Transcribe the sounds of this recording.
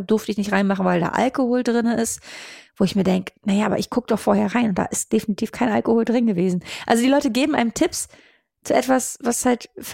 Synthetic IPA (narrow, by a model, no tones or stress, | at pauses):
d̥ʊɐftəɪçnɪçtʁaɪnmaχn̩vaɪlda̰ːʔa̰lkohoːldʁɪnəʔɪstv̥oːɪçmiːɐdɛŋkə̥najaːʔaːbɐʔɪçɡ̥ʊkəd̥ɔχfoːɐheːɐʁaɪnʊnt̚d̥a̰ːʔɪstd̥efinitʰiːfkʰaɪnʔa̰lkohoːldʁɪnɡəveːzn̩ʔalzodiːlɔʏtəɡeːbm̩ʔaɪnəmtʰɪps | t͡suʔɛtv̥asvashaltf